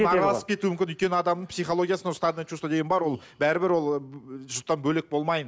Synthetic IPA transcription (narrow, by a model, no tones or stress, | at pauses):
ʁɑlˠɑsə̥p̚kʰʲe̞t̪uwmʏmkʲɪnʏjt̪̚ʲkʲenɪɑd̪ɑmd̪əɴpsijχo̞lˠo̞ɡʲijasənost̪ad̪et͡ʃust̪od̪e̞ɡʲenbɑɾwo̞lˠ | bæɾɪbɪɾwo̞lˠʒʊt̪ːɑnbɵlek̚bo̞lˠmɑjən